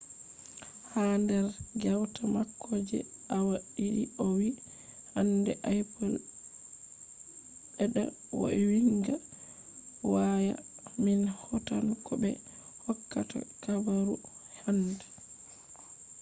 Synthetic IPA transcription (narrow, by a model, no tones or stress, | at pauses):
handɛɾɡɛwtamakʰːɔd͡ʒɛ̰awaɗiɗiɔwi | handɛʔajpɔl | ɓɛɗa̰ | wo̰ɛwiŋɡa | waja̰minhɔtankʰɔbɛ̰ | hɔkːata̰kabaɾuhandɛ